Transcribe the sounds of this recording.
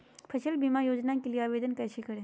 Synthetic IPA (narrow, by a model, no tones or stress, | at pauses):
pʰɐʃəlbimajoːd͡ʒnãkelijeaːʋeːd̪ənkəjʃekəɾẽ